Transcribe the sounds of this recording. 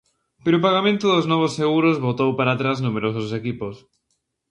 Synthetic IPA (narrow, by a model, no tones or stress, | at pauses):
peɾoʊpaɣamẽnt̪ʊðʊznɔβ̞osːeɣuɾʊzβot̪owpaɾat̪ɾaznumeɾosʊsekipos